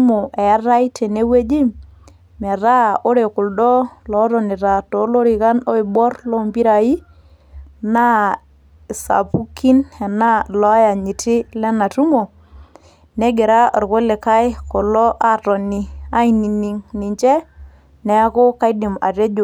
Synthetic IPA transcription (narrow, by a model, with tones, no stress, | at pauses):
mo˨ʔe˨a˦ɾa˦i˦te˨ne˦we˦d͡ʒi˦m | mɛ˨ɾa˦o˦ɾe˨kʊ˨ldɔ˦lɔ˨˦ɾɔ˨nɪ˨ɾa˨tɔ˨˦lo˦ɾi˨ka˦no˦i˨bɔ˦ɾlɔ˦mbi˦ɾa˨i˦ | na˦ | sa̰˨pu˦ki˦nɛ˨na˦lɔ˦ja˨ɲi˨tɪ˦lɛ˦na˨tu˦mo˨ | ne˦ɡe˨ɾa˦˨ɾko˦le˨ka˦jkɔ˨lɔ˦ʔa˨tɔ˨ni˨a˦i˨ni˨ni˨ŋnɪ˨ɲt͡ʃɛ˦ | nɛ˨˦ko˦ka˦jdɪ˨ma̰˨te˦d͡ʒʊ˨